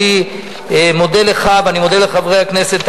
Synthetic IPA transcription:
i | mo̞d̪e̞leχavanimo̞d̪eleχavʁejaknese̞t̪

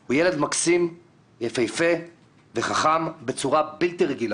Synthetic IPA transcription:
hujele̞d̪maksim | jefejfe | ve̞χaχambe̞t͡suʁabilt̪iʁeɡila

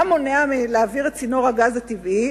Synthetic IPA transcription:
amoneamileaviʁet͡sino̞ʁaɡazat̪ivi

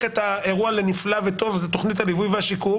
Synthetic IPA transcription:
et̪ae̞ʁuale̞niflavet̪o̞vzet̪oχnit̪halivujveaʃiku

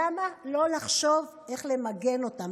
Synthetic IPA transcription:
amalo̞laχʃo̞v | e̞χle̞maɡe̞no̞tam

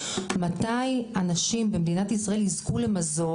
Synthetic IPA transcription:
matajanaʃimbemd̪inatisʁae̞lizkule̞mazo̞

